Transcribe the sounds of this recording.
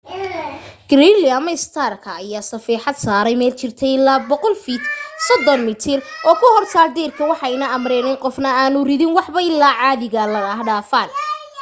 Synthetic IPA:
ɡ̥ɾiliɐmɐɪst̪ʰarkʰɐːjaːsɐfiːħɑd̪saːɾɛjmɛːlt͡ʃɪrt̪ʰɛɪlaːbɔqɔlfiːt̪sɔd̪ɔnmɪt̪ʰɪrʔɔːkʰʊhɔrsʰaːrd̪ɛːrkʰɐwɑħɑjnɐɐmɾɛːnɪnqɔfnɐaːnʊrɪðɪnwɑħbɐɪlːaːʕɑːðɪɣɐlɐɽaːɦɖaːfaːn

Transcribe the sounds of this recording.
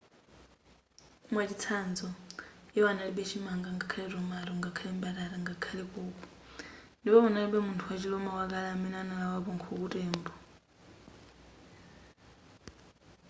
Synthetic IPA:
mwat͡ʃit͡sʰand͡zɔjɛwanaliɓɛt͡ʃʰimaŋɡaŋɡakʰalɛrɔmaɾɔŋɡakʰalɛmbaɾaɾaŋɡakʰalɛkuːkʼɔ | ndipɔwanaliɓɛmuntʰuwat͡ʃilɔmawak̬ʼalamɛnɛanalawapɔŋkʰɔk̬utʼɛːmbɔ

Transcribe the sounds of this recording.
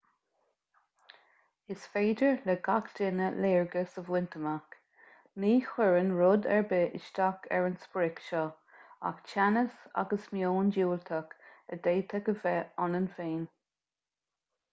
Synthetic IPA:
ɪsfeːdəɹlɛɡakdɪnəleːɹɡəsəvwɪnt̪ʰəmak | niːxʊɹənɹʊd̪ɛ̰ɹbɪʔɪ̰ʃt̪akʰɛ̰ɹənspɹɪkʃɔ | a̰kt͡ʃʰanəsa̰ɡəsmjoːnd͡ʒuːlt̪ʰəkəd̪eːt̪ʰəkəvɛɔnənfeːn

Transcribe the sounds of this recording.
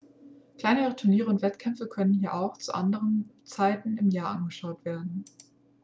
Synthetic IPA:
kl̥aɪnəʁətʰʊɐniːʁəʊntv̥ɛtkʰɛmfəkʰœnənɦiːɐʔaʊxt͡suʔa̰ndəʁənt͡saɪtn̩ɪmjaːɐʔanɡəʃaʊtv̥eːɐdn̩

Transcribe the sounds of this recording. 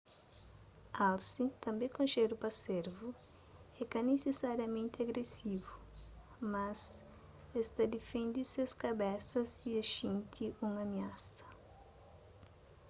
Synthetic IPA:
alsit̪ɐ̃mbẽkõʃeɾupɐseɾvu | ɛkɐnesesaɾjɐmẽnt̪ɪaɡɾesivu | mɐs | est̪ɐd̪efẽnd̪iseskabɛsɐsieʃĩnt̪ʰiũŋameasɐ̥

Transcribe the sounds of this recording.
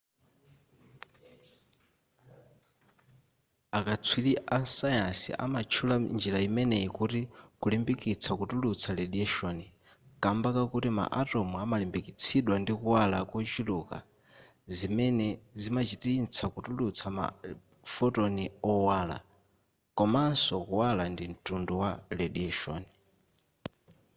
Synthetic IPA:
akat͡sʰwiliʔasajasḭʔa̰mat͡ʃʰuland͡ʒilaimɛnɛikutikulimbikit͡sʰakutulut͡sʰaleɗiɛʃɔni | kʼambakakutima̰ʔatɔmuamalimbikit͡sʰiɗwandikuwalakɔt͡ʃiluka̰ | zimɛnɛzimat͡ʃitint͡sʰakutulut͡sʰama̰ | fɔtoniɔwaːla̰ | kɔmasɔkuwalandim̩tʼundɔwalɛɗiɛʃɔ̰ːni

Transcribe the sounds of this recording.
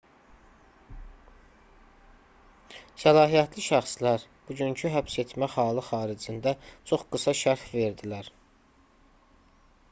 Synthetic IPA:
sælɑːɦijæt̪liʃæχslæɾ | b̥uɟyncʰyɦæpse̞t̪mæhɑːlɯxɑːɾid͡ʒind̪æt͡ʃʰo̞χɡ̥ɯsɑʃæɾfve̞ɾd̪ilæɾ

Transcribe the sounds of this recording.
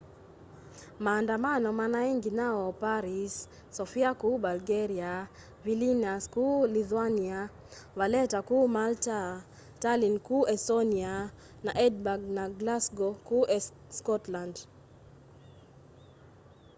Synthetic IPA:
maːndamanɔmanaiŋɡinaɔpaɾisː | ɔfiakubalɡɛɾia | vilinaskuliθwania | walɛtakumalta | talinkuɛsɔnia | naʔɛdbaɡnaɡlasɡɔkuʔɛ | skɔtland

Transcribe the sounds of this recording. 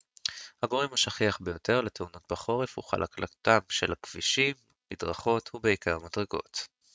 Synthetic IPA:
haɡo̞ʁimaʃaχiaχbe̞jo̞te̞ʁleteuno̞t̚baχo̞ʁefṵχa̰lʔa̰klʔa̰t̪amʃe̞̰lakv̥iʃimːidʁaχo̞t̪hubeikaʁmadʁeɡo̞̰t̪

